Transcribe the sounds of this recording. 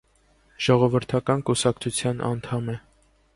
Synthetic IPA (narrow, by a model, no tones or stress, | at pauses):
ʒ̥ɔʁɔvəɾt̪ʰɑkɑnkusɑkt͡sʰut͡sʰjɑnʔɑ̰nt̪ʰɑmɛ